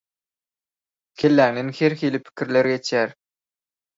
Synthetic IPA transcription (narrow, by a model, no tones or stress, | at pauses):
kʲʰelːæːŋd̪enxeɾxiːlipʰi̥kʲʰiɾleɾɡet͡ʃʰjæɾ